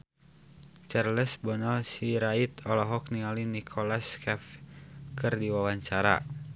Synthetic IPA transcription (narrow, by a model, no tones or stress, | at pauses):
t͡ʃarləsbɔnɔlsiɾait̪ɔlɔɦɔk̚niŋalinikʰɔlaskɛfkɨrdiwawaɲt͡ʃaɾa̰